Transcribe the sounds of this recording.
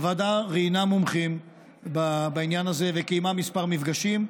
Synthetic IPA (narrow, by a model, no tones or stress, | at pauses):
vadaʁiinamomχim | babainjanaze̞vekejmamispaʁmifɡaʃim